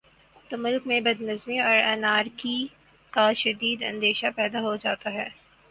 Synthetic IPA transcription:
t̪omʊlkmẽbɐd̪nɐzmiɔːɾɛnaːɾki | kaʃɐd̪iːd̪ɐ̰̃nd̪eːʃapɛːd̪aɦod͡ʒaːt̪aɦɛː

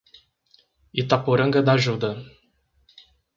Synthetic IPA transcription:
it̪apuɾəŋɡəd̪aʒud̪ə

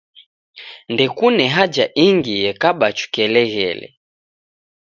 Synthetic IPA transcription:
ndɛkunɛɦad͡ʒaʔiŋɡijɛkaɓat͡ʃu̥kɛlɛɣɛ̰lɛ̰

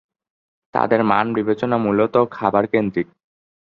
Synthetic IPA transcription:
t̪a̰d̪eɾmanbibet͡ɕonamulot̪okʰabaɾkend̪ɾik̚

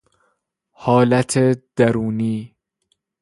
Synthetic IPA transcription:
hɒːlæt̪ʰed̪̥æɾuːniː

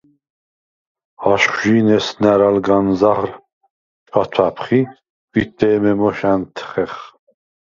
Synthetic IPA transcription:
aʃχʒiːnɛsnæɾalɡanzaʁr | t͡ʃat̪ʰapʰχi | v̥it̪ːɛːmɛmɔʃant̪ʰχɛχ

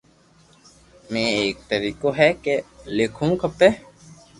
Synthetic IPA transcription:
mẽːeːk̚t̪əɾiːkoɦɛkelekʰũːkəpːe

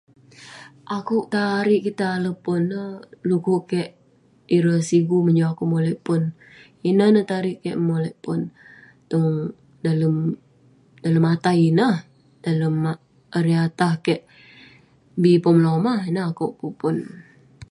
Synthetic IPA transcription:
ʔakʊʔt̪aɾɪʔkit̪aːləpʊnːəhluɡuʔkɛʔ | iɾəsiɡuməɲd͡ʒaakuʔmolɛʔpʊn | inəhnəht̪aɾɪʔkɛʔmolɛʔpʊn | t̪ɔŋ | daləm | daləmat̪ainəh | daləm | əɾiat̪ahkɛʔ | bipəmlomahinəakuʔkupʊn

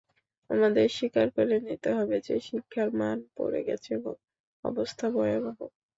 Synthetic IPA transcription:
a̰mad̪eɾʃikaɾkoɾenit̪eɦɔbed͡ʑeʃikʰːaɾmanpo̰ɾḛɡɛt͡ɕʰebo̰ŋ | ɔ̰bost̪ʰabɔjobʱabo

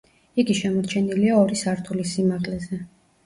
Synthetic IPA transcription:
iɡiʃɛmɔɾt͡ʃʰɛniliaɔɾisaɾt̪ʰulisimaʁlɛzɛ

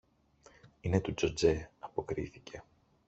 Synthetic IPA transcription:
inet̪ud͡ʒod͡ze̞ɐpo̞kɾiθice̞

